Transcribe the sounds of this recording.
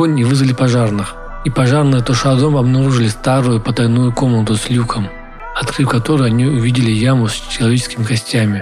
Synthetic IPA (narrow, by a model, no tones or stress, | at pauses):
onʲivɨzəlʲɪpɐʐarnɨx | ipɐʐarnɨjət̪ʊʂad̪omɐbnɐɾuʐɨlʲɪst̪aɾʊjʊpət̪ɐjnujʊko̞mnət̪ʊsʲlʲukʰəm | ɐt̪kɾɨfkɐt̪o̞ɾɨjɐnʲiʊvʲidʲɪlʲɪjamʊsʲt͡ʃɪlˠɐvʲet͡ɕɪskʲɪmʲɪkɐsʲtʲamʲɪ